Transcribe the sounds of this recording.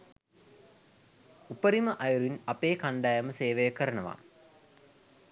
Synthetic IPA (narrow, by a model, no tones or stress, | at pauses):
upəɾimɐʔɐjuɾinɐpeːkɐɳɖaːjɐməseːʋejəkɐɾɐɳɐʋa̰